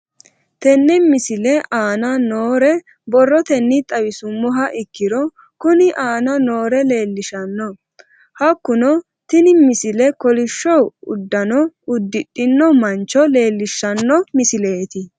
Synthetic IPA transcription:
t̪ɛnːɛmɪsɪlɛʔaːnɐnoːɾɛ | bɔrːɔt̪ɛnːɪt̪ʼɐwɪsʊmːɔɦɐʔɪkːɪɾɔ | kʊnɪʔaːnɐno̞ːɾɛle̞ːlːɪʃɐnːɔ | hɐkːʊnɔ | t̪ɪnɪmɪsɪlɛkɔlɪʃːɔwʊ̰d̪ːɐnɔʊd̪ːɪtʼːɪnːɔmɐnt͡ʃːɔle̞ːlːɪʃːɐnːɔmɪsɪle̞ːt̪ɪ

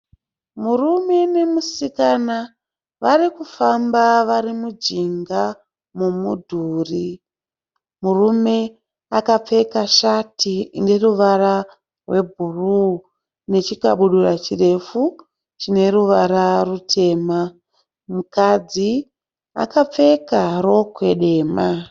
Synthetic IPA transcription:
murume̞ne̞musikana | ʋarikufambaʋaɾimud͡ʒiŋɡa | mumudʱuːri | murume̞ | akap͡fe̞kaʃatine̞ruʋara | rwe̞bʱuru | ne̞t͡ʃikaɓuɗurat͡ʃire̞fu | t͡ʃine̞ɾuʋaɾarutʰe̞ːma | mukad͡zi | a̰kap͡fe̞kaɾo̞kwe̞ɗe̞ːma

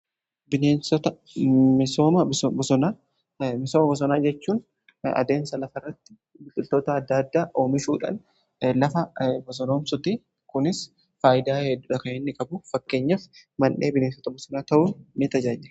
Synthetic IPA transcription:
bɪneːnsɔt̪ɐ | mɪso̞ːmɐbbɔsɔnaː | mɪsoːmɐbɔs̬ɔnaːd͡ʒɛt͡ʃːuːn | ɐ̰d̪e̞ːnsɐlɐfɐrːɐt̪ːɪ̥ | bɪt̪ʼːɪlt̪o̞ːt̪ɐːd̪ːɐd̪ːaːʔo̞ːmɪʃuːᶑa̰ːn | lɐfɐbɔs̬ɔno̞ːmsʊt̪i | kʊnɪs | faːjɪd̪aːhɛd̪ːʊᶑɐkɐɛnːɪkʼɐbʊfɐkːe̞ːɲːɐfmɐnʔe̞ːbɪneːnsɔt̪ɐbɔsɔnaːt̪ɐʔuːnɪt̪ɐd͡ʒaːd͡ʒɪ

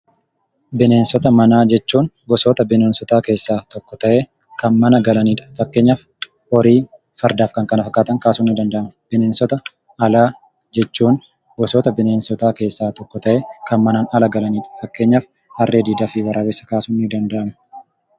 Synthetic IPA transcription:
bɪne̞ːnsɔt̪ɐmɐnaːd͡ʒɛt͡ʃːuːnɡɔsɔt̪ɐbɪneːnsɔt̪aːke̞ːsːaːt̪ɔkːɔt̪ɐʔeː | kɐnmɐnɐɡɐlɐniːᶑɐ̥fɐkːe̞ːɲːaːf | ɔɾiː | fɐɾd̪aːfkɐŋkɐnɐfɐkːaːt̪ɐŋkaːsuːnːɪd̪ɐnd̪ɐʔɐmɐb̥ɪne̞ːnsɔt̪ɐ | ʔːlaː | d͡ʒɛt͡ʃːuːn | ɡɔsɔt̪ɐbɪne̞ːnsɔt̪aːke̞ːsːaːt̪ɔkːɔt̪ɐʔeːkɐnmɐnaːnɐlɐɡɐlɐniːᶑɐ̥fɐkːe̞ːɲːaːf | hɐrːeːd̪iːd̪afɪwɐɾʔaːwɛsːɐ̥kaːsuːnːɪd̪ɐnd̪ɐʔɐmɐ̥

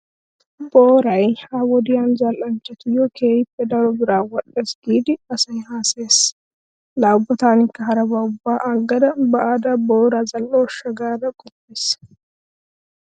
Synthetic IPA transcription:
boːɾɐjhaːwɔd̪ɪjaːnzɐlʔɐnt͡ʃːɛt̪ɪjɔkʰe̞ːjɪpːɛd̪ɐɾɔbɪɾaːwɔɗːeːsɡ̥iːd̪ɪɐsɐjhaːseːs | laːbːɔt̪aːnɪkːɐɦɐɾɐbɐʊbːaːʔaɡːɐd̪ɐbɐʔaːd̪ɐboːɾazɐlːɔːʃːɐɡaːd̪ɐkʼɔpːeːs

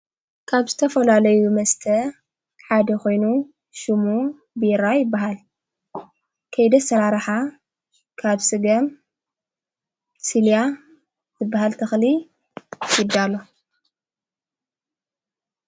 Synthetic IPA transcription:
kʰaβzɨt̪ʰɐfɐlalɐjumɐst̪ʰɐ | ħad̪ɐko̞jnu | ʃɨmu | biɪɾajɪbːaɦal | kʰɐjd̪ɐsɐɾaɾħa | kʰaβsɨɡɐm | silja | zɨbːaɦalt̪ʰɐxli | ʃɪd̪alo

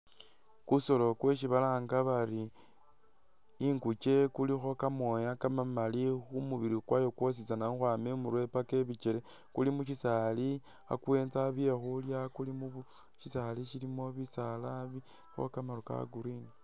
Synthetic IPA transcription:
kuso̞lo̞kwe̞ʃ̬iβalaːŋɡaβari | ŋɡut͡ʃe̞kulixo̞kamo̞jakamamalixumuβiɾikwajo̞kwos̬it͡sanauxwamemuɾwe̞pake̞βit͡ʃele | kulimuʃ̬isali | a̰kwe̞ːnzaβje̞xuljakulimuβu | ʃisaliʃilimo̞βisalaβi | xo̞̰kamaɾuka̰ɡuɾini

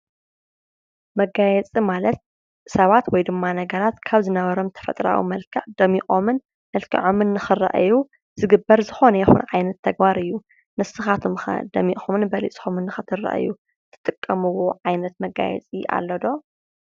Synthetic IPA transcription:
mɐɡajɛt͡sʼimalɐt̪̚ | sɐβat̪wɔjd̪ɨmːanɐɡɐɾat̪kʰaβzɨnɐβɐɾo̞mt̪ʰɐ̥fɐ̰t̪ʼɾa̰wḭmɐlkʰɐʕd̪ɐmixʼomɨn | mɐlkʰḭʕo̞mɨnːɨxɨrɐ̰ʔɨju | z̥ɨɡɨbːɐɾzɨxo̞nɐjɛxṵnʕajnɐt̪ʰːɐɡbaɾɨjːu | nɨsɨxat̪ʰumxa̰d̪ɐmiʔxʼomɨnbɐlit͡sʼxumɨnːɨxɨt̪ʰɨrːɐ̰ʔɨ̰ju | t̪ʰɨ̥t̪ʼɨkʼːɐmɨwoʕajnɐt̪mɐɡa̰jɛ̰t͡sʼia̰lːɐd̪o̞

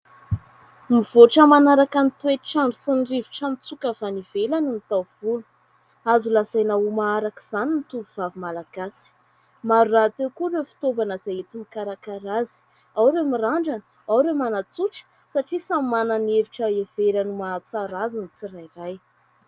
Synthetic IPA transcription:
mivoʈ͡ʂəmanaɾakanit̪uet̪iʈ͡ʂaɳɖ͡ʐusiniriviʈ͡ʂamit͡sukəfanivelaninit̪awv̥ulu̥ | azulasajnaumaaɾaki̥z̥aninit̪uvuv̥avimalaɡ̥asi̥ | maɾurat̪ewkuɾefi̥t̪ovanəz̥ajet̪imikaɾakaɾazi̥ | awɾemiraɳɖ͡ʐanə | awɾemanat͡suʈ͡ʂə̥ | saʈ͡ʂisammananeviʈ͡ʂəev̥eɾanumat͡saɾazinit͡sirajraj

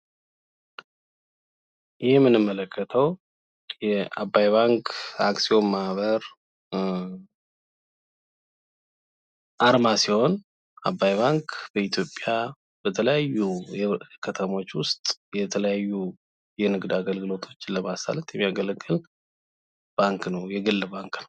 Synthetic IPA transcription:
jʔɪhmːɨnɨmːələkʰːət̪ʰəw | jɛa̰bːajβaŋkʰa̰ksio̞mːaβəɾ | ʔaɾmasiho̞n | abːajbaŋkb̥əit̪ʰjo̞pʼːja | b̥ət̪ʰələjajːu | kʰət̪ʰəmo̞t͡ʃːwʊst̪ʼjɛt̪ʰələjajːu | jɛnɨɡd̪aɡəlɡɨlo̞t̪ʰo̞t͡ʃːləmasa̰lət̪jɛmːijaɡəlɡɨl | b̥aŋknəwjɛɡɨlːbaŋknəw

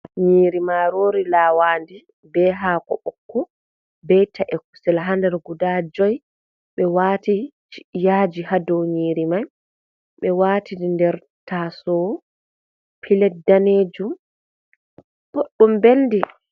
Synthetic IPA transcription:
ɲiːɾimaɾoːɾilaːwaːndi | bɛɦaːkɔ̰ɓɔkːɔ | bɛjtʰaʔɛk̚u̥sɛlɦandɛɾɡudad͡ʒɔj | ɓɛwaːtit͡ʃi̥ʔjaːd͡ʒihadɔwɲiːɾimaj | ɓɛwaːtidndɛɾ | tʰasɔ | pʰilɛt̚daneːd͡ʒum | b̥oɗːumbeldi

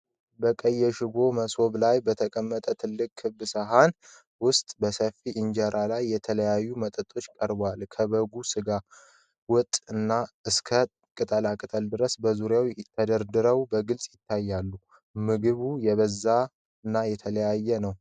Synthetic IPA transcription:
bəkʼəjːɛʃɪɡo̞məso̞βlajbət̪ʰəkʼəmːət̪ʼət̪ʰɨlːɨkʼʰːɨbːɨsəɦan | wʊst̪ʼbəsəfːiʔɨɲd͡ʒəɾalajːɛt̪ʰələjajːumət̪ʼət̪ʼo̞t͡ʃːkʼəɾbwalkʰəβəɡusɨɡa | wʊt̪ʼɨnːaɨskʰə | kʼɨt̪ʼəlakʼɨt̪ʼəld̪ɨɾəsbəzuɾjawt̪ʰːəd̪əɾd̪ɨɾəwbəɡɨlsʼjɪt̪ʰːajːalːu | mɨɡɨβujɛβəzːa | ɨnːajɛt̪ʰələjajːɛnəw

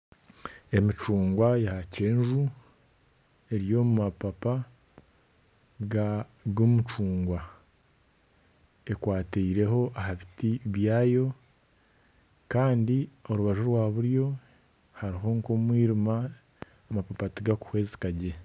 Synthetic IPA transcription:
e̞mit͡ʃuːŋɡwajahace̞ːnʒu | e̞ɾijo̞mumapapa | ɡaɡomut͡ʃuːŋɡwa | e̞kwaːteiɾe̞ɦo̞ʔahaβitiβjaːjo̞ | kaːndio̞ɾuβaʒoɾwaːβuɾjo̞ | haɾiɦo̞ŋko̞mwiːɾima | amapapatiɡaku̥hwe̞ːze̥kaɟe̞

